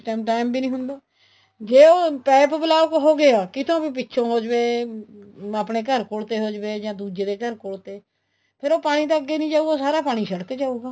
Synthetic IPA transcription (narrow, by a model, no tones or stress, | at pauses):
ʈːmʈaːɪmbiːnĩːɦʊnd̪aː | d͡ʒeːoːpɛːpbɪlaːʋəkɦoːɡeaːkɪt̪ʰõːbiːpɪtːʃʰõːɦoːd͡ʒbeː | apɳeːkəɾkoːɽt̪eːɦoːd͡ʒbeːd͡ʒãːd̪uːd͡ʒeːd̪eːkəɾkoːɽt̪eː | pʰɪɾoːpaːɽ̃iːt̪aəɡːeːnĩːd͡ʒaːuːɡoːsaːɾaːpaːɽ̃iːʃəɽəkd͡ʒaːuːɡaː